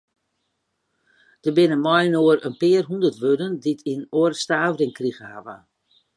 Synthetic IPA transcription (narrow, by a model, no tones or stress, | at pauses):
d̥əbɪnənmɔjnoərənpɪərɦundərtʋødənditʰinoərstaːvərɪŋkriɣəa̰ʋə